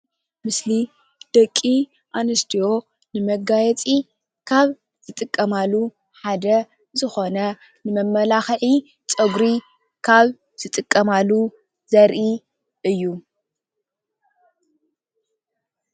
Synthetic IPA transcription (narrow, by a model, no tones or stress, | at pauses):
mɨsli | d̪̥ɐkʼːi | ʔanɐst̪ʰijo̞ | nɨmɐɡajɛt͡sʼi | kʰaβ | z̥ɨt̪ʼɨkʼːɐmalːu | ħad̪ɐ | zɨxo̞nɐ | nɨmɐmːɐlaxʕi | t͡sʼɐɡɾi | kʰaβ | z̥ɨt̪ʼɨkʼːɐmalːu | zɐɾʔi | ɨjːu